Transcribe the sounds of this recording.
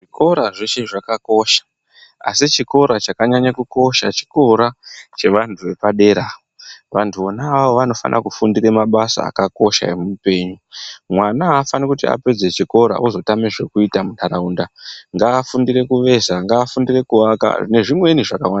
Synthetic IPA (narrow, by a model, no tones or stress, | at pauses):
ʐiko̞ɾaʐet͡ʃeʐakako̞ʃḁ | a̰sit͡ʃiko̞ɾat͡ʃakaɲaɲakuko̞ʃat͡ʃi̥ko̞ɾat͡ʃe̞ʋantʰuʋe̞paɗe̞ɾaːoʋantʰuonaaʋo̞ʋano̞fa̰nʔa̰kufundire̞maɓasa̰ːkako̞ʃa̰emumupe̞ːɲumwanaːfanikutia̰pe̞d͡ze̞t͡ʃiko̞ɾa̰ʔuzo̞tameʐe̞kuitamunaɾauːndaŋɡaːfundiɾe̞kuʋe̞zaŋɡaːfundire̞kuaka̰ʐine̞ʐimwe̞niʐakawana